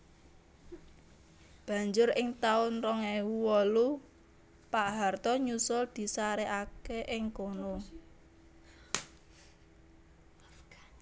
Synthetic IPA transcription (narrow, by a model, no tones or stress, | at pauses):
b̥ä̤ɲd͡ʒʊɾɪŋt̪aʊnrɔŋewuwɔlu | paʔɦart̪ɔɲusʊld̪̥i̤saɾeʔakeʔɪŋkono